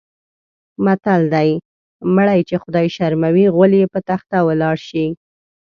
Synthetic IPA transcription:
mat̪ald̪aj | məɽajt͡ʃexʊd̪ɑjʃaɾmawiɣʊlijepət̪axt̪awəlɑɽʃi

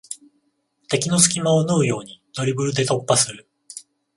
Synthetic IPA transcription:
t̪e̞kʲino̞sɨ̥kʲimao̞nɯːjo̞ːɲ̟in̥o̞ɾʲibɯ̟ɾɯ̟d̪e̞t̪o̞pːasɨɾɯ̟

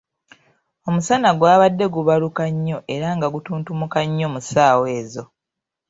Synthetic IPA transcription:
o̞musanaɡwaːβadːe̞ɡuβalukaɲːo̞ʔe̞ɾaŋɡaɡutuːntumukaɲːomusaːwe̞ːzo̞

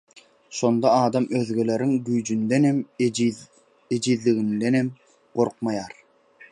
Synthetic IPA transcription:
ʃo̞nd̪ɑɑːd̪ɑmøðɡele̞ɾiŋɡyjd͡ʒynd̪enem | ed͡ʒiðliɣind̪enem | ɢ̥o̞ɾqmɑjɑːɾ

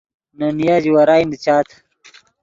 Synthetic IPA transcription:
nɐnijaːd͡ʑiwɐɾaːjnit͡ɕaːt̪ʰ

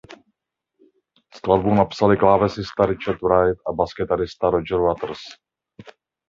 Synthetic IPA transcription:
sklad̪buwnapsalɪklaːvɛsɪst̪aɾɪt͡ʃaɾt̪ɾajt̪ʔabaskɛt̪aɾɪst̪aɾod͡ʒɛɾwat̪ɾ̩s

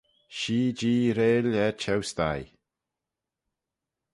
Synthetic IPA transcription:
ʃiːd͡ʒiːɾeːlɛt͡ʃʰɛwst̪a̰j

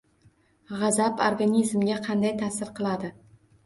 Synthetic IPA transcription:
ʁɑzapo̰ɾɡanizmɡʲaqʰɑnd̪ajt̪ʰasɪɾqɨlˠad̪ɪ

